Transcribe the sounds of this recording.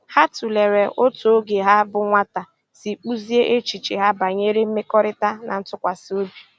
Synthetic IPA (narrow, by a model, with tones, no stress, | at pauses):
ha˦tu˨le˨ɾe˨ʔo˦to˨o˦ɡe˨ɦa˦bʊ˨ŋʷa˦ta˨ | si˨k͡pu˦zi˦e˦ʔe˦t͡ʃi˨t͡ʃi˨ɦa˦ba˨ɲe˦ɾe˦m̩˦me˦kɔ˦ɾɪ˦ta˦nʔa̰˨n̩˦tʊ˦kʷa˨sɪ˦o˦bi˨